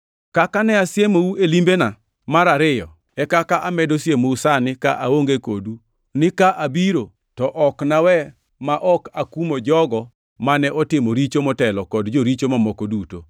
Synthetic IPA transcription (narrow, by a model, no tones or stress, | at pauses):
kakanɛasjemouelimbena | maɾaɾɪjɔ | ɛkakaʔamɛdosjemousanɪka̰ʔaoŋɡekodu | nɪkaʔabiɾo | tɔʔɔknawɛ | maʔɔkakumod͡ʒɔɡɔ | manɛʔɔtɪmɔɾit͡ʃomɔtɛlɔkɔdd͡ʒoɾit͡ʃomamɔkoduto̰